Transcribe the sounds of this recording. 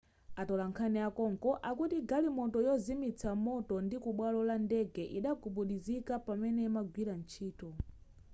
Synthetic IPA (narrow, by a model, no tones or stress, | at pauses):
atɔlaŋkʰanɛakɔŋkɔʔakutiɡalimɔtɔjɔzimit͡sʰamɔtɔndikuɓwalɔlandɛɡɛʔiɗakʰuɓuɗizikapamɛnɛmaɡwiɾan̩t͡ʃʰiːtɔ